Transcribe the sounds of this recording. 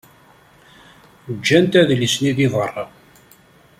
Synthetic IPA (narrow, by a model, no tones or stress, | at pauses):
əd͡ʒːænt̪æðlisniðiðˤərˤːɑ